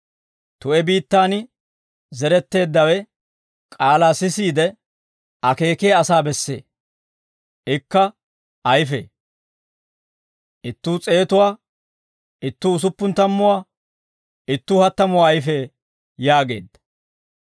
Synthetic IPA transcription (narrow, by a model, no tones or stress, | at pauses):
t̪ʊʔɛbiːt̪ːaːnɪ | zɛɾɛt̪ːe̞ːd̪ːɐwɛ | kʼaːlaːsɪsiːd̪ɛ | ɐke̞ːkeːɐsaːbɛsːe̞̰ː | ʔɪkːɐ | ʔɐjfḛː | ʔɪt̪ːuːt͡sʼe̞ːt̪ʊwaː | ɪt̪ːuːs̬ʊpːʊnt̪ɐmːʊwaː | ɪt̪ːuːhɐt̪ːɐmʊwaːjɪfeː | jaːɡe̞̰ːd̪ːɐ̥